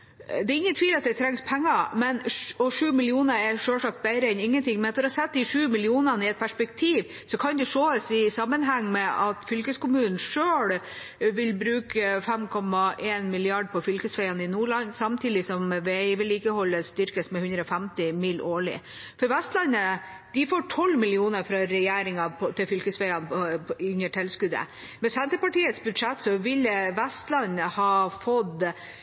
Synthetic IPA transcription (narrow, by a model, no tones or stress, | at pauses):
d̪ɛɾɪŋːənt̪ʰʋiːlɑt̪̚d̪ɛt̪ʰɾɛŋspʰæŋːɑmɛnɔʂʉːmɪlɪuːnəɾɛɾʂøːlʂɑkt̪̚bæɪɾəɛnɪŋːənt̪ɪŋːmɛnfɔɾɔɑsɛt̪ːd̪ɪʂʉːmɪlɪuːnənəɪɛt̪̚pʰæʂpɛkt̪ʰiːʋ | sɔkʰɑnd̪ɛʂoːəsɪsɑmːənɦɑŋːmɛʔɑt̪fʏlkəskʊmʉːnn̩ʂøːɽ | ʋɪlbɾʉːkʰəfɛmkʰɔmːɑʔeːnmɪlɪɑɖpʰɔfʏlkəsfæɪɑnəɪnuːɭɑnsɑmt̪ʰiːd̪ɪsɔmʋɛʋɪliːkəhɔlːəst̪ʏɾkəsmɛhʉnd̪ɾəɔfæmt̪ɪmɪlʔoːɭɪ̰ | fɔɾʋɛst̪lɑnə | d̪̥ɪfoːʈʰɔlːmɪlɪuːnəfɾɑɾɛjeːɾɪŋɑpt̪ʰɪlfʏlkəsʋɛɪɑnʉɲəʈʰɛlskʉd̪ə̰ | mɛsɛnt̪ɾəpɑʈiːət̪sbʉd̪ʂɛt̪ːsɔʋɪlʋɛst̪lɑnəhɑːfɔd̪